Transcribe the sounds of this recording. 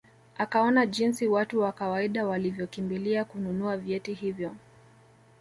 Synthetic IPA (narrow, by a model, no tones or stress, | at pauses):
akaɔnaʄinsiwatuwakawaiɗawalivjɔkimbiliakununuavjɛtihivjɔ